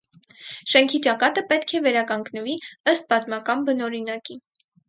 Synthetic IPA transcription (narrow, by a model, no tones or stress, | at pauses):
ʃɛŋkʰit͡ʃɑkɑt̪əpɛt̪kʰɛvɛɾɑkɑŋɡnəviəst̪̚bɑt̪mɑkɑnbənɔɾinɑki